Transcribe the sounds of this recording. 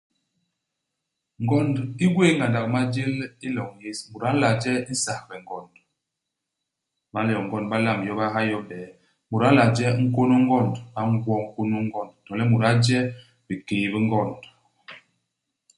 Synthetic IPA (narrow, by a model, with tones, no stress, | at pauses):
ŋɡɔ˦˨ndi˦ɡwe˦˨˦ŋɡa˨nda˨k̚ma˦d͡ʒe˦li˦lɔ˨ŋje˦smu˨ɾa˨˦la˨d͡ʒɛ˦n̩˦sa˨hbɛ˨ŋ˨ɡɔ˨nd | ba˦ljɔ˨ŋ˨ɡɔ˦nba˦la˦˨m˨jɔ˦ba˦ɦa˦jɔ˦bɛ˨˦ | mu˨ɾa˦la˨d͡ʒɛ˦ŋ̩˦ko˦no˦ŋ˦ɡɔ˦˨ndɓa˦ŋ˦ɡwɔ˦ŋ̩˦ko˦no˦ŋ˦ɡɔ˦˨ndtɔ˨lɛ˦mu˨ɾa˦d͡ʒɛ˦ | bi˨ke˨bə˦ŋɡɔ˦˨nd